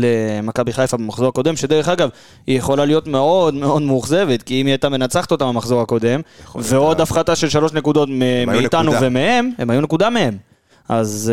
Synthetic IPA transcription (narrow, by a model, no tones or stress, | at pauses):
lemakabiχajfabamaχzo̞ako̞d̪e̞mʃe̞d̪e̞ʁeχaɡav | ijeχo̞lalijo̞t̪me̞o̞d̪me̞o̞d̪muχze̞vet̪kiimiajt̪ame̞nat͡saχt̪o̞t̪amamaχzo̞ʁako̞d̪e̞mveo̞d̪afχat̪aʃelʃalo̞ʃne̞kud̪o̞t̪meiit̪anuvemehe̞memajune̞kud̪amehe̞m | ʔaz